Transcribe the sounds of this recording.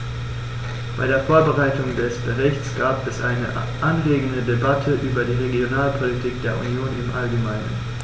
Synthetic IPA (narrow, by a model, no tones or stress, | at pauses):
b̥aɪɾeːɐfoːɐbəʁaɪtʊŋdɛsb̥əʁ̞ɪçt͡sɡ̥aːpɛsʔa̰ɪnə̰ | ʔanɡleːɡən̩dədebatʰəʔyːbɐdiːʁeɡjonaːlpʰolitʰiːk̚d̥eːɐʔṵnjoːnɪmʔalɡəmaɪnə̰n